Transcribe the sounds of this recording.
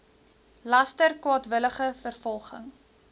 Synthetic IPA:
lɐstərkwɑːtvələχəfərfɔlˠχə̰ŋ

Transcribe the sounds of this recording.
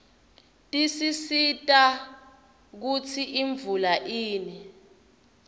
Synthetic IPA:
tʼisisitʼa | k̬ut͡sʰiʔiɱvulaʔiːni

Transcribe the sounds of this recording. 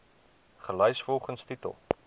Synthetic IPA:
χəlœjsfɔlˠχənstitə̰lˠ

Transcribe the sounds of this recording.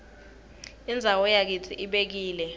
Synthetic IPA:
ind͡zʱawɔjak̬it͡sʰiʔiɓek̬iːlɛ

